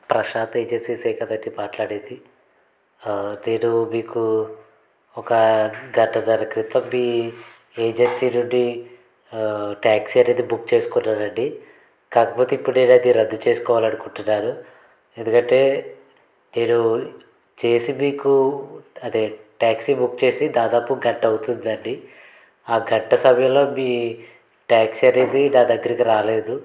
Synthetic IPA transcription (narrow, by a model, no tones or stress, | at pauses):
pɾɐʃaːt̪eːd͡ʒensiːsɛːkɐd̪ɐʈːibaːʈlaːɽed̪i | neːɽumiːku | ɔkɐɡɐʈːɐnɐɾɐkɾit̪ɐmbiː | eːd͡ʒensinuɳɖi | ʈaːksiɐneːd̪ibukt͡ʃe̞ːsu̥kunːaːɾɐɳɖi | kaːkɐpoːt̪eipːuɽeːɽɐd̪iɾɐd̪ːut͡ʃeːsu̥kɔːʋaːlɐɽukuɳʈunːaːɾu | end̪ukɐɳʈe̞ː | meːɽu | t͡ʃe̞ːsimiːkuɐd̪eʈaːksibukːt͡ʃe̞ːsid̪aːd̪aːpuɡɐʈːɐwut̪und̪iɐɳɖi | aːɡɐʈːɐsɐbʱjɐlo̞ːmiː | ʈaːksiɐne̞ːd̪inaːd̪ɐɡːɐɾikiɾaːle̞ːd̪u